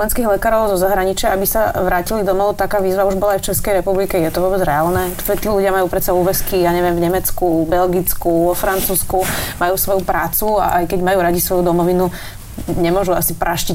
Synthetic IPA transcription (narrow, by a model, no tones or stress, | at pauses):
ɛnskiːɣlɛkaːɾɔʊzɔzaɦɾaɲit͡ʃɪaabisaʋɾaːcilid̪ɔmɔɔt̪akaːʋiːzʋauʒbɔlaajft͡ʃɛskɛjɾɛpublikɛjɛt̪ɔʋɔɔːbɛd͡zɾɛaːlnɛ | ɛt̪iːluɟɪamajuːpɾɛt̪t͡sauːʋɛskijaːɲɛʋjɛmvɲɛmɛt͡skubɛlɡit͡skuʋɔfɾant͡suːskumajuːsʋɔjupɾaːt͡sua̰ʔajkɛɟmajuːɾaɟisʋɔjud̪ɔmɔʋinu | ɲɛmʊɔʒuasipɾʔaʃci